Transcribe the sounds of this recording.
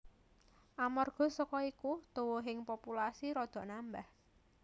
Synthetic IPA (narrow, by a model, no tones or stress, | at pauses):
ʔamɔrɡ̥ɔ̤sɔkɔikut̪uwoɦɪŋpopulasiɾɔd̪̥ɔ̤ʔnambah